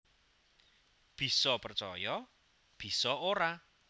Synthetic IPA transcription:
b̥i̤sɔpərt͡ʃɔjɔ | b̥i̤sɔoɾa

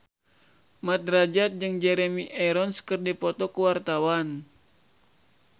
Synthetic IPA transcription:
mat̪̚rad͡ʒat̪̚d͡ʒɨŋd͡ʒɛɾɛmiʔɛɾɔnskɨrdipɔt̪ɔkuwart̪awan

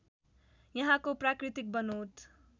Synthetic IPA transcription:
jʌɦãkoprakrit̪ik̚bʌnut̪ʰ

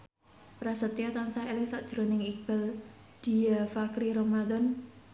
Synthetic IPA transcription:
pɾasət̪ijat̪ansaelɪŋsaʔd̥ʒ̥ɾonɪŋikb̥ɛl | d̪̥i̤afakɾiɾɔmad̪ɔn

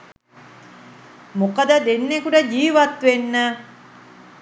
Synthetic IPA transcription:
mokɐd̪əd̪enːekuɖɐd͡ʒiːʋɐt̪ʋenːæː

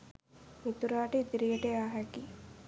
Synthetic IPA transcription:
mit̪uɾaːʈəid̪iɾijəʈəaːɦæki

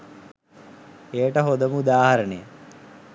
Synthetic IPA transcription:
ejʈəɦod̪əmud̪aːɦaɾəɳəjə

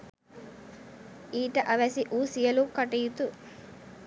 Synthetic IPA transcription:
iːʈɐʔɐʋesiʔuːsijɐlukɐʈejut̪u

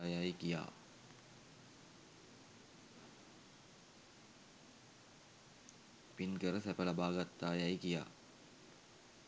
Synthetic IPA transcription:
jajkija̰ː | pinkəɾəsæpəlabaːɡat̪ːaːjajkija̰ː

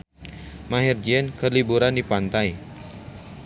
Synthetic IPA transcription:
maɦird͡ʒiɛnkərlibuɾandipant̪aj

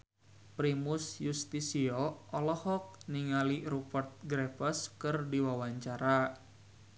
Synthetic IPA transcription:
pɾimʊsjust̪isiɔɔlɔhɔk̚niŋaliɾupərt̪̚ɡɾefəskɨrdiwawaɲt͡ʃaɾa

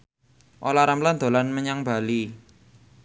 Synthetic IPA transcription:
ʔolaɾamland̪o̤lanməɲaŋb̥a̤li

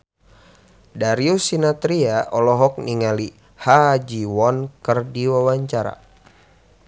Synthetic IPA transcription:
daɾiusinat̪ɾiaʔɔlɔɦɔk̚niŋali | had͡ʒiwɔnkərdiwawaɲt͡ʃaɾa̰

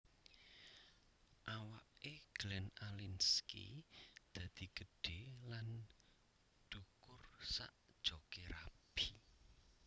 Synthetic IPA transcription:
ʔawaʔeɡ̥lɛnalinskḭd̪̥ä̤d̪̥i̤ɡ̥əɖ̥e̤lan | ɖ̥ukʊrsa̰ʔd̥ʒ̥ɔkeɾab̥i

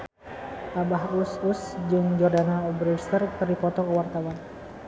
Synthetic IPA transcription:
ʔabaɦususd͡ʒɨŋd͡ʒɔrdanaɔbɾɛst̪ərkɨrdipɔt̪ɔkəwart̪awan

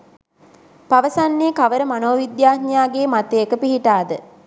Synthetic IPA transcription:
paʋəsanːekaʋəɾəmanoːʋid̪jaːtnjaːɡeːmat̪ejəkəpiɦiʈaːd̪ə

